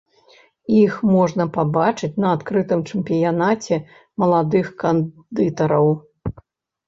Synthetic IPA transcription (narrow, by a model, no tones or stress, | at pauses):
ixmɔʐnɐpabat͡ʂɨt͡sʲnɐːt̪kɾɨt̪ɨmt͡ʂɛmpʲijanat͡sʲɛ | mɐlˠad̪ɨxkan | d̪ɨt̪ɐɾɐw